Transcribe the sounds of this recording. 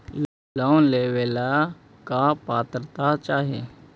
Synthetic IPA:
l | laːnleːʋeːla | kapaːt̪ɾət̪at͡ʃaːɦeː

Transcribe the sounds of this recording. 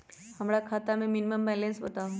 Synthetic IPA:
hɐmɾakʰaːt̪amẽmɪniməmbɛːlẽnsbɐt̪aɦu

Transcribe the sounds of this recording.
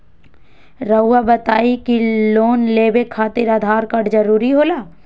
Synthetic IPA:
ɾɐːabɐt̪aːikiloːnleːbekʰːaːt̪ɪɾad̪ʱaːɾkɐɽd͡ʒɐɾuːɾiɦoːlaː

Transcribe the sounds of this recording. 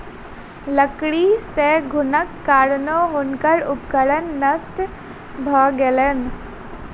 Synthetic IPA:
ləkɽiseɡʱʊnəkːaːɾnoɦonkəɾʊpkəɽənːəsʈ̪ | bʱəːɡelen

